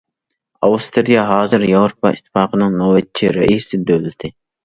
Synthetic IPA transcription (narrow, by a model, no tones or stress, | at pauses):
ɑwst̪ɾijɑɦɑːzɨɾjɑwɾopʰɑit̪ʰːɨ̥fɑːqʰənɨŋnowɛt̪t͡ʃʰiɾɛʔisɪd̪ølɪt̪ʰɪ